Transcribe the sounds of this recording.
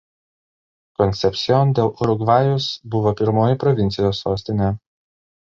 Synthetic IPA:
kɔnʲt̪sʲɛpʲsʲɪjɔnd̪ʲeːlˠʔʊɾʊɡʋɑːjʊsbʊʋoːpʲɪɾmoːjɪpɾɔʋʲɪnʲt̪sʲɪjoːsːoːsʲt̪ʲɪnʲeː

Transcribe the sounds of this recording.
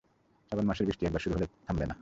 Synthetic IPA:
ʃabonmaʃeɾbiʃʈiɛɡ̚baɾʃuɾuɦolet̪ʰambena

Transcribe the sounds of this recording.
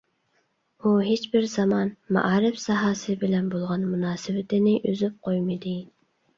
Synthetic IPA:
uɦet͡ʃbɪɾzɑmɑnmɑ̰ʔɑːɾɪfsɑɦɑːsɨbɪlɛnbolˠʁɑnmunɑːsɪwɪt̪ɪnɪʔøzyp̚qʰojmɪd̪ɪ

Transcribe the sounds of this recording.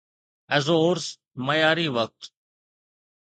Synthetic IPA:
ɛzoːɾs | məjaːɾiːʋək̚t̪

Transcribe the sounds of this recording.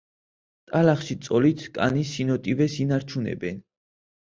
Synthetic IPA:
t̪ʼalaχʃit̪sʼɔlit̪ʰkʼa̰nisinɔt̪ʼivɛsinaɾt͡ʃʰunɛ̰bɛn

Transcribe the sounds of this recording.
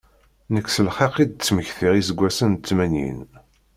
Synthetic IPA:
nəksəlχeqid̪̚t͡sːməçθiʁisəɡʷːæsənt͡sːmænjḭn

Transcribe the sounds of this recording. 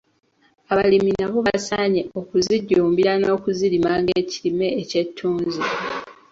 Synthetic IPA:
aβaliminaβo̞βasaɲeo̞kuziɟːuːmbiɾano̞ːkuziɾimaŋɡeːcilime̞ːce̞tʰːuːnzi

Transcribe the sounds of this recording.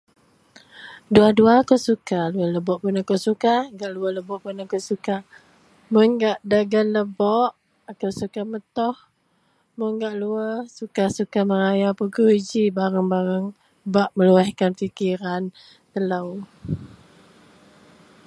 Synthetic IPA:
duaduakowsukaluələbɔʔpʊnakowsukaŋɡaʔluəhləbɔʔpunakawsuka | mʊnɡaʔdaɡanləbɔʔ | akawsukamət̪ɔh | mʊŋɡaʔluəsukasukaməɾajapukuid͡ʒibaɾəŋbaɾəŋ | baʔməluɛhkanfikiɾan | t̪ələw

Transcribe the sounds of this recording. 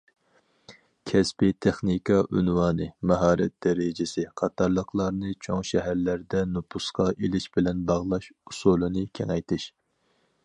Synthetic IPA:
kʲʰɛspɪt̪ʰeχnikʰɑʔynwɑːnɨmɑɦɑːɾɛt̪̚d̪ɛɾɪd͡ʒɪsɪqʰɑt̪ʰɑɾlˠəqlˠɑɾnɨt͡ʃʰoŋʃɛɦæɾlæɾd̪ɛnupʰusqɑʔelɪʃbɪlɛnbɑʁlˠɑʃusulˠɨnɨkʲʰeŋɛjt̪ʰɪʃ

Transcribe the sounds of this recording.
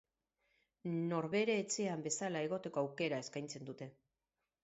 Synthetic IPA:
no̞ɾβe̞ɾe̞ːt͡se̞ambe̞salae̞ɣ̞o̞t̪e̞ko̞awke̞ɾae̞skajnt͡se̞nd̪ut̪e̞

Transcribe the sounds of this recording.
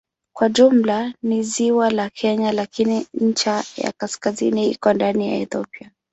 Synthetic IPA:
kwaʄum̩laniziwalakʰɛɲalakiniɲ̩t͡ʃaja̰kaskazḭniḭkɔndanija̰ɛθɔpia

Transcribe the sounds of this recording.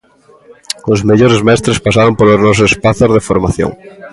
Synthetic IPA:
ʊzmeʎoɾezmɛst̪ɾespasaɾompoloznɔs̬oespaθozðefoɾmaθjo̰ŋ

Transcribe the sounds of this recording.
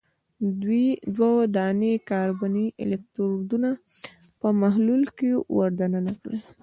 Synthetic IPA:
d̪wid̪wawod̪ɑnekɑɾbaniʔɪ̰lek̚t̪ɾd̪una | pəmaɦlulkewaɾd̪ananakɽə

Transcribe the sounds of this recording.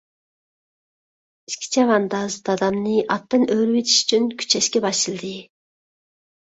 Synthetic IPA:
i̥ʃkʲʰi̥t͡ʃʰɛvɑnd̪ɑzt̪ɑd̪ɑmnɨʔɑt̪ːɨnøɾywet̪ʰi̥ʃy̥t͡ʃʰynkʲʰy̥t͡ʃʰɛʃkʲɛbɑʃɨlˠd̪ɪ

